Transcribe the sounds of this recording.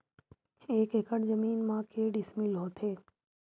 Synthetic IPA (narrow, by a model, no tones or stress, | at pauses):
eːkɦɪkəɳ̃zəmiːnmãkeːɖɪsmiːlɦoːt̪ʰeː